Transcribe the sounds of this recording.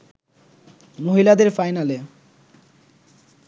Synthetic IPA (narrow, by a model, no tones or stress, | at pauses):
moɦilad̪eɾfajnale